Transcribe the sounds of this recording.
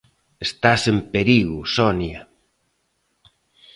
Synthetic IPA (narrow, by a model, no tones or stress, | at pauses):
est̪asempeɾiɣʊsɔnja